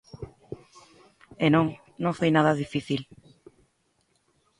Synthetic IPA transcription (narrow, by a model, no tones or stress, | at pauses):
enõŋ | nõŋfejnaðaðifiθil